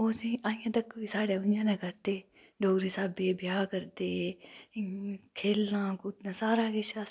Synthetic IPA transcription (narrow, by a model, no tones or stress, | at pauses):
oːsĩːʔãːĩjãːt̪əkːʋiːsaːɽeːʊnd͡ʒãːnɛ̃ːkəɾt̪eː | ɖoːɡɾiːsaːbebɪjaːkəɾd̪eː | kʰeːlːãːkuːt̪nãːsaːɾaːkeʃaː